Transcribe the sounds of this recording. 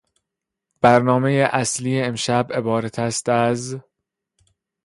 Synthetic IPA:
b̥æɾnɒːme̞jeʔæsliːjeːmʃæbe̞bɒːɾæt̪ʰæst̪æz

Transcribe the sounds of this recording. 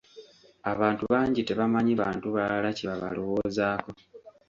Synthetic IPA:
aβaːntuβaːɲɟite̞βamaɲiβaːntuβalaciβaβa̰lo̞wo̞ːzaːko̞

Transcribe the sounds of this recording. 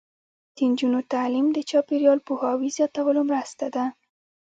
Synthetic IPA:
d̪̥ind͡ʒunot̪alimd̪ət͡ʃɑpiɾijɑlpuhɑwizjɑt̪awəlomɾast̪ad̪a

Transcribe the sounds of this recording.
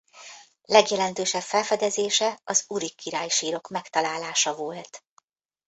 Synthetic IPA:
lɛɡjɛlɛnt̪øːʃɛpfɛlfɛd̪ɛzeːʃɛɒzuɾikːiɾaːjʃiːɾo̞kmɛkt̪ɒlaːlaːʃɒvo̞lt̪

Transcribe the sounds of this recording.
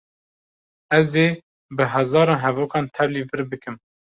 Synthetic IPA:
ɛzeː | bɨɦɛzɑːɾɑːnɦɛvoːkɑːnt̪ʰɛvliːvɨɾbɨkɨm

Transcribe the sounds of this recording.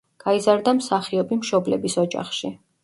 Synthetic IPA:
ɡ̥aizaɾd̪amsaχiɔbimʃɔblɛbisɔd͡ʒa̰χʃi

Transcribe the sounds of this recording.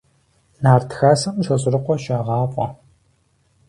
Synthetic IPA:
naːrtʰxaːsɐmʃɐɕʼrɨqʷɔʃaːʁɑːqʷʼɔ̰

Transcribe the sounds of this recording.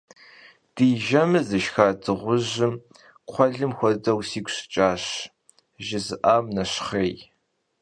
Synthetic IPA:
d̥iːʒɐmɨzɨʃxaːdɨʁʷʊʑɪm | qʷʰɔɮɨmxʷɔdɐwsiːkʷɕt͡ʃʼaːɕ | ʒɪzɨʔaːmnɐɕχeːj

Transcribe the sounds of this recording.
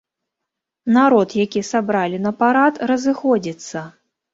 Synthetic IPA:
naɾɔt̪jakʲisabɾalʲinɐpaɾat̪rɐzɨxɔd͡zʲit̪sːɐ

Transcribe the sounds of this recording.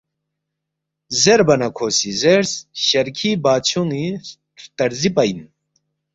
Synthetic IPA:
zeɾbɐnɐkʰosizeɾsɕɐɾkʰiːbaːt͡ɕʰoni | t̪ɐɾzipɐjn

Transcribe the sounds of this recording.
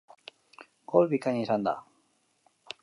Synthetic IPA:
ɡolβikaɲisand̪a̰

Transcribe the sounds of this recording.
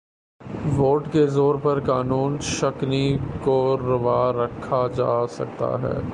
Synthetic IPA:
ʋoːʈkezoːɾpɐɾkaːnuːnʃɐknikoɾɐʋaːɾɐkʰad͡ʒa̰ːsɐ̰k̚t̪a̰ɦɛ̰ː

